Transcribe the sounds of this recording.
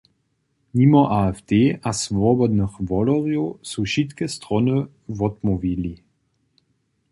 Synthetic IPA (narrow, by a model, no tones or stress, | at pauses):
mimɔʔaɛft̪eːʔasvɔbɔd̪nəxvɔlɔʁjɔsuʃit̪kɛst̪ʁɔnə | vɔt̪mɔvili